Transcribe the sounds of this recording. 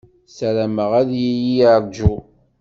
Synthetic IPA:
sæɾæməʁæðjijijaɾˤd͡ʒu

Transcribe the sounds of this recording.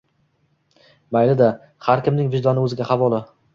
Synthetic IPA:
majlɪd̪a | haɾkʲɪmnɪŋvɪʒd̪ɒnɪɵzɪɡʲaχavɒlˠɪ

